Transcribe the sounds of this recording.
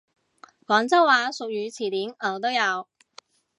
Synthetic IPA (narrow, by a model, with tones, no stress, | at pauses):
kɔː˨˥nt͡sɐ˥waː˨˧sʊ˨k̚jyː˨˧t͡sʰiː˨˩t̪iː˨˥nəː˨˩wt̪o˥wjɐ˨˧w